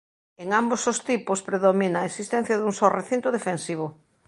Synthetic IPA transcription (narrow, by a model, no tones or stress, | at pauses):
eŋambosost̪ipʊspɾeðominaesist̪ɛ̃n̟θjɐðuŋsɔreθint̪ʊðefensiβ̞ʊ